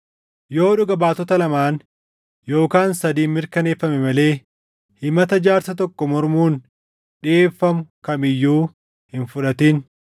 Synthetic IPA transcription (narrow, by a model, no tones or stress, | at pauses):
jo̞ːᶑʊɡɐbaːt̪ɔt̪ɐlɐmaːn | jo̞ːkaːnsɐd̪iːnmːɪɾkɐne̞ːfːɐmɛmɐle̞ː | hɪmɐt̪ɐd͡ʒaːɾsɐt̪̬ɔkːɔmɔɾmuːn | ᶑɪeːfːɐmʊkɐmɪjːuː | hɪnfʊᶑɐt̪iːn